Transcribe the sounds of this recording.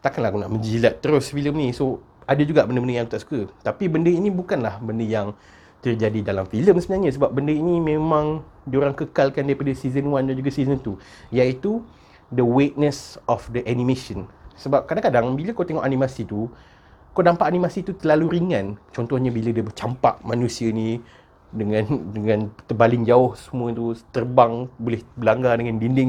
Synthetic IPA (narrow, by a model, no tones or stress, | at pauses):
t̪akanlahkunaʔmə̃ɲd͡ʒilaʔt̪ːəɾʊsfiləmnĩso | adəd͡ʒuɡaʔbəndəbəndəjaŋk̪ut̪aʔsu̥kət̪apibəndəinĩbukanlahbəndəjaŋ | t̪ərd͡ʒadidalamfiləmsəbənaɲasəbap̚bəndəinimẽmãŋdioɾaŋkəkalkandaɾipadəsizənwandand͡ʒuɡasizənt̪u | jait̪u | dəwet̪̚nəsɔfdəʔanĩmeʃənsəbap̚kadaŋkadaŋbiləkawt̪eŋɔʔanĩmasit̪u | kawdampaʔanĩmasit̪ut̪əlaluɾiŋãnt͡ʃɔnt̪ɔhɲabilədəbət͡ʃampa̰ʔmanũsiəini | dəŋãndəŋãnt̪əbalɪŋd͡ʒaʊhsəmũət̪ut̪ərbaŋbolɪhbəlaŋɡadəŋandindɪŋ